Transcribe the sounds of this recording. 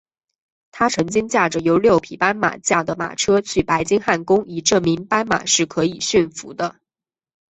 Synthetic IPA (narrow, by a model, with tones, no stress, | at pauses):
t̪ʰa˥ʈ͡ʂʰɤ˧˥ŋt͡ɕi˥ŋt͡ɕja˥˩ʈ͡ʂə˩jo˧˥ʊljo˥˩ʊpʰi˨˩pa˥nma̰˨˩t͡ɕja˥˩d̪ə˩ma̰˨˩ʈ͡ʂʰɤ˥t͡ɕʰy˥˩pa˧˥ɪt͡ɕi˥ŋxa˥˩nkʊ˥ŋi˨˩ʈ͡ʂɤ˥˩mi˧˥ŋpa˥nma̰˨˩ʂɻ̩˥˩kʰɤ˧˥i˨˩ɕy˥˩nfṵ˧˥d̪ə˧